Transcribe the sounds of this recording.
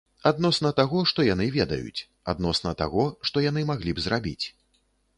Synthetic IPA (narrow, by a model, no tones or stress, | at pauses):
ad̪nɔsnɐt̪aɣɔʂt̪ɔjanɨvʲɛd̪ɐ̰jṵt͡sʲ | a̰d̪nɔsnɐt̪a̰ɣɔʂt̪ɔjanɨmaɣlʲibzrabʲḭt͡sʲ